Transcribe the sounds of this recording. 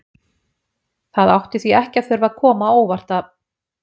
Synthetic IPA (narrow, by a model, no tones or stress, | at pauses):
θaðawht̪ɪθviɛhcafɪɾvaðkʰɔːmaoːwvar̥t̪a